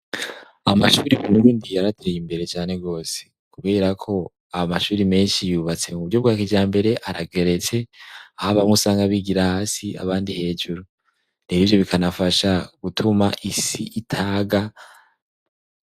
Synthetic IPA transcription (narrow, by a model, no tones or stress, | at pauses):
amaʃuːɾimunuɾuːndijaɾatʰeɾejimbe̞ɾe̞t͡ʃaːne̞ɡo̞ːse̥ | kuβe̞ːɾakʰo̞ | amaʃuːɾime̞ːnʃijuːβat͡se̞muβuɾɟo̞b̚ɡwaːkid͡ʒaːmbe̞ɾe̞ʔaɾaɡe̞ɾet͡se̞ahaβamusaːŋɡaβiɡiɾahaːsia̰βaːndihe̞ːd͡ʒuɾu | n̥iβiːvjo̞βikʰanafaʃaɡ̥utʰumaʔisiʔitʰaːɡa